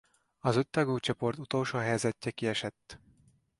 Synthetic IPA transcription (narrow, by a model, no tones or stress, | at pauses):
ɒzøt̪ːɛɡuːt͡ʃo̞po̞rt̪ut̪olʃoːɦɛjzɛcːɛkiɛʃɛt̪ː